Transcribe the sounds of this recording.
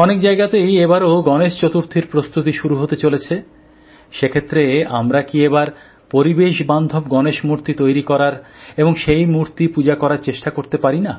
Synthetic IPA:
ɔnekd͡ʑaeɡat̪ejebaɾoɡɔneʃt͡ɕot̪uɾt̪ʰiɾpɾost̪ut̪iʃuɾuɦot̪et͡ɕolet͡ɕʰe | ʃekʰet̪ːɾeamɾakiebaɾ | poɾibeʃband̪ʱobɡɔneʃmuɾt̪it̪ojɾikɔɾaɾeboŋʃejmuɾt̪ipud͡ʑakɔɾaɾt͡ɕeʃʈakoɾt̪epaɾina

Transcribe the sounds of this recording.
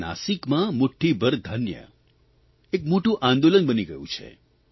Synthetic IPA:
na̰sikmãmʊʈʰːibʱəɾd̪ʱənjə̰ | ekmoʈũʔãnd̪olənbəniɡəjṵ̃t͡ʃʰḛ

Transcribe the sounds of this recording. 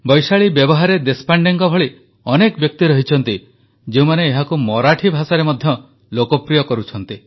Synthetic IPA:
bɔjsaɭibjɔbɔɦaɾed̪espaɳɖeŋkɔbʱɔɭi | ɔnekɔbjɔk̚t̪iɾɔɦit͡ʃʰɔn̪t̪i | d͡ʒeũmaneːɦakumɔɾaʈʰibʱasaɾemɔd̪ʱjɔ | lokɔpɾijɔkɔɾut͡ʃʰɔnt̪i

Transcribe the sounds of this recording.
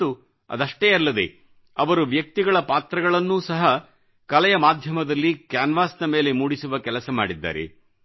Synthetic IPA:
u | ɐ̰d̪ɐʂʈeːɐlːɐd̪e̞̰ | ɐʋɐɾuʋjɐk̚t̪iɡɐɭɐpaːt̪ɾɐɡɐɭɐnːuːsɐɦɐ | kɐlɛjɐmaːd̪ʱjɐmɐd̪ɐlːikjaːnʋaːsnɐme̞ːle̞muːɽisuʋɐkɛlɐsɐma̰ːɽid̪ːa̰ːɾḛ

